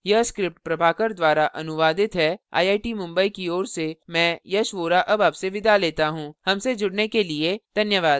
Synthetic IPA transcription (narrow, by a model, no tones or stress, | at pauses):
jɐskɾɪp̚ʈ̚pɾɐbʱaːkəɾd̪ʋaːɾaʔɐnʊʋaːd̪ɪt̪ɦɛa̰ːiaːʈimʊ̃mbəikiɔːɾsemɛ̃ːjɐʃʋoːɾaʔɐbaːbseʋɪd̪aleːt̪aɦũːhɐmsed͡ʒʊɽnekelied̪ʱɐnjəʋaːd̪